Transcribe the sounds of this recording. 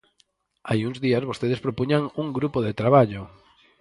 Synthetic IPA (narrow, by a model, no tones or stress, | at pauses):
ajuŋzðiazβost̪eð̞espɾopuɲaŋuŋɡɾupoðet̪ɾaβ̞aʎo